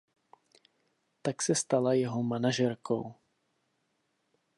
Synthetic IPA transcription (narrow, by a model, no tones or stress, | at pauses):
t̪aksɛst̪alajɛɦomanaʒɛɾkʰo̰w